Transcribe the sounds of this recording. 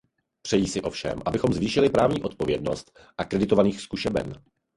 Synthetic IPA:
pr̥ɛjiːsɪʔo̞fʃɛ̰mʔabɪxo̞mzviːʃɪlɪpɾaːvɲiːʔo̞t̪̚povjɛdno̞st̪ | ʔakɾɛdɪt̪o̞vaniːxskuʃɛbɛ̰n

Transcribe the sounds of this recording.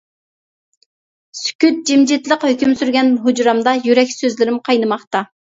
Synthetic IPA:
sy̥kʲyt̪̚d͡ʒimd͡ʒit̪ləqhøkʲymsyɾɡʲɛnɦud͡ʒɾɑmd̪ɑjyɾɛkʲsøzlɪɾɪmqʰɑjnɨmɑχt̪ɑ

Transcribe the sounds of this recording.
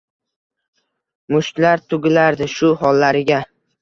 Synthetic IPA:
mʊʃt̪laɾt̪ʰʊɡʲɪlaɾd̪ɪʃʊhɒlːaɾɪɡʲa

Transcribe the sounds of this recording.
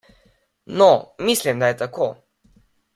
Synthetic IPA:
nɔmislimd̪ajɛt̪ako

